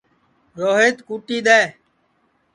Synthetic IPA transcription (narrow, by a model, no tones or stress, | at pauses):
ɾoːɦeːt̪kuːʈiːɗ̪eː